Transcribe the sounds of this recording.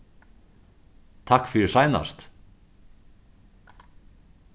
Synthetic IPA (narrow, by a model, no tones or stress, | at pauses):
t̪ʰakfɪɾɪ̥saːjna̰st̪